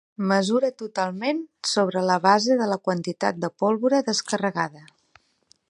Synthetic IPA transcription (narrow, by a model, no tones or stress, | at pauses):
məzuɾət̪ut̪alˠmensoβ̞ɾələβ̞azeðələkwənt̪it̪a̰t̪̚d̪əpɔlˠβuɾəðəskərəɣaðə